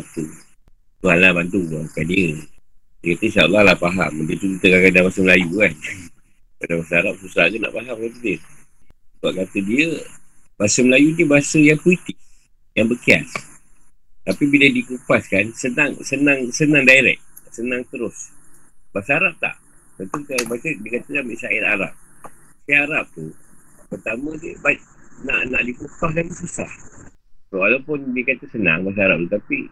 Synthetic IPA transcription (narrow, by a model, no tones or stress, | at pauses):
at̪u | t̪ualabant̪uŋakandiə | dəkat̪əsaulːalahpaɦa̰mdiət̪ud̪it̪əɡakadabasəməlajukan | badabasəaɾap̚susaɡəna̰ʔpaɦamkat̪ədiə | səbaʔ̚kat̪ədiəbasəməlajunibaasəjaŋpulit̪ɪk̚ | jaŋbəkia̰s | t̪apibilədikupaskansənaŋsənãŋsənãŋdaiɾɛ̰k̚sənãŋt̪əɾʊsbasəaɾap̚t̪a̰ʔt̪ənt̪ut̪əabat͡ʃədikat̪akanbiʔsaɪt̪a̰ɾa̰p̚siaaɾap̚t̪upərt̪amãdəbat̪̚na̰ʔna̰ʔdikupahlabisəsa̰h | soalapʊndikat̪asəna̰ŋbas̬aaɾap̚t̪ut̪api